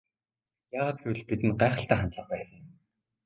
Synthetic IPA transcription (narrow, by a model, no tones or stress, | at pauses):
jaːʁaːt̪̚ɡewɘ̆ɮpit̪ɘ̆nɢæːχə̆ɬt̪æːχant̪ɮə̆χ̚pæːsə̆ŋjɪ̆m